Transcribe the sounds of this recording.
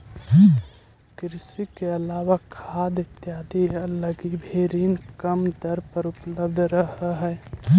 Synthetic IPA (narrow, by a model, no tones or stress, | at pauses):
kɾɪsikeəlaːʋakʰaːd̪ɪt̪jaːd̪iələɡibʱeːɾiːnkəmd̪əɾpəɾʊpləb̚d̪ʱɾəɦəɦɛ